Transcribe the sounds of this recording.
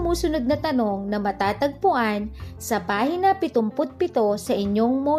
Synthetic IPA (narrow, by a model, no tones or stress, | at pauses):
muːsʊnod̪̚nɐt̪ɐno̞ŋnɐmɐt̪aːt̪ɐɡ̚pʊʔansɐbaːhɪnɐpɪt̪ʊmpʊt̪̚pɪt̪o̞sɐʔɪɲjoŋmo